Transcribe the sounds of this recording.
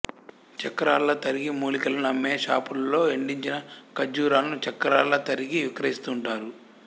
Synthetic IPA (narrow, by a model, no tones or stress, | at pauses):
t͡ʃɐkːɐɾaːlːɐt̪ɐɾiɡimuːlikɐlɐnɐmːeːʃaːpulɐlo̞ːeɳɖiɲt͡ʃinɐkɐd͡ʒuːɾaːlɐnut͡ʃɐkːɐɾaːlːɐt̪ɐɾiɡiʋikɾɐist̪uɳʈaːɾu